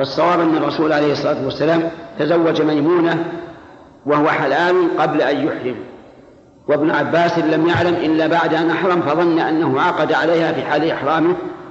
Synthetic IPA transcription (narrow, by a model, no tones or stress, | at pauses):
ɑsˤːɑwaːbʔanːɑrˤːɑsuːlʕalejhɨsˤːɑlˤaːt̪wasːalaːmt̪azawːad͡ʒmajmuːna | wahʊwaħalaːlqɑblaʔanjʊħɾɪm | wɪbnʕabːaːsɪlamjaʕlamʔɪlːabaʕd̪ʔanʔaħɾˤɑmfɑðˤɑnːaʔanːahʊʕɑːqɑd̪aʕalejhafiːħaːlʔɪħɾˤɑːmɪ